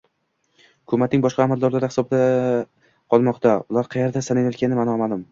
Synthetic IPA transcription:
ʊkʰʊmat̪̚nɪŋbɒʃqɑːmalˠd̪ɒɾlaɾɪhɪ̥sɒb̚d̪a | qʰɒlˠmɒqt̪ʰaʊlˠaɾqʰɑjeɾd̪asanɪjat̪ʲkʲanɪmanɒmad̪ʊm

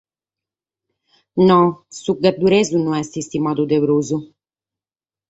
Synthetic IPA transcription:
nɔsuɡːad̪ːuɾɛzunuɛst̪ist̪imaːd̪ud̪eβɾoːzu

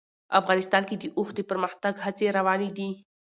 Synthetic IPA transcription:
a̰fɣɑːnɪst̪ɑːnkid̪iʔʊxt̪d̪ipəɾməxt̪aɡhat͡seɾawɑːnid̪i

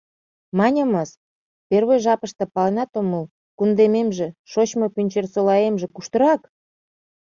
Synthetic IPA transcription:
mɑnʲəməs | perβojʒɑpəʃt̪ɤ̆pɑlenɑt̪oməl | kund̪ememʒĕʃot͡ɕmopynʲt͡ɕersolɑjemʒĕkuʃt̪əɾɑk

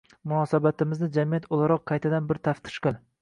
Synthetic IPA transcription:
mʊnɒsabat̪ɪmɪznɪd͡ʒamijat̪ʰolˠaɾɒqʰːɑjt̪ʰad̪anbɪɾt̪ʰaft̪ʰɪ̥ʃqɨlˠ

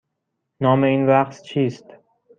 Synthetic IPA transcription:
nɒːmeiːnvæqt̪t͡ʃʰiːst̪

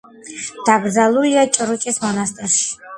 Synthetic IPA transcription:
d̪̥aɡ̪zaluliat͡ʃʼəɾut͡ʃʼɛsmɔnast̪ʼɛrʃ

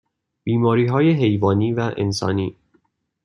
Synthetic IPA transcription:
b̥iːmɒːɾiːɦɒːjeɦe̞jvɒːniːvæʔḛnsɒ̰ːniː

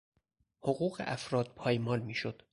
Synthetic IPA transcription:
hoɣuːɣḛʔæfɾɒːd̪̥̚pʰɒːjmɒːlmiːʃod̪̥

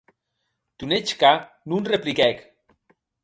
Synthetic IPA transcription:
t̪unet͡ʃka | nunreplikɛk

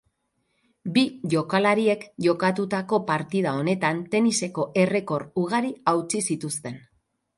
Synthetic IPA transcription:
biʝo̞kalaɾie̞kʝo̞kat̪ut̪ako̞paɾt̪ið̞ao̞ne̞t̪ant̪e̞nise̞ko̞ʔe̞re̞ko̞ɾuɣ̞aɾiawt͡sisit̪ust̪e̞n

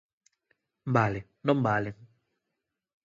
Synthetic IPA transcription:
m̩balɪ | nɔm̩baːle

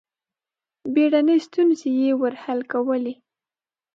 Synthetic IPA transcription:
beɽanəjst̪unzejewəɾhalkawəli

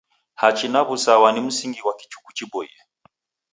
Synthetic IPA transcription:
hat͡ʃinaβusawanim̩siŋɡiwaki̥t͡ʃu̥ku̥t͡ʃibɔjɛ̰

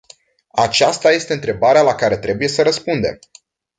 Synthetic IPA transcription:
at͡ʃast̪aje̞st̪e̞ɨnt̪ɾe̞baɾealakaɾe̞t̪ɾe̞buje̞səɾəspund̪e̞̰m

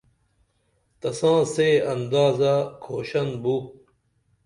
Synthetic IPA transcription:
t̪ɐsãːseːɐnd̪aːzakʰoːɕɐnbu

